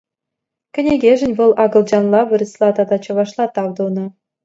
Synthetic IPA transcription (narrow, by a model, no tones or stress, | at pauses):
kʲɘ̆nʲeɡʲeʒɘ̆nʲʋɤ̆lˠɑɡɤ̆lˠd͡ʑɑnlˠɑʋɤ̆ɾʲɤ̆slˠɑt̪ɑd̪ɑt͡ɕɤ̆ʋɑʂlˠɑt̪ɑʋd̪ɤ̆nɤ̆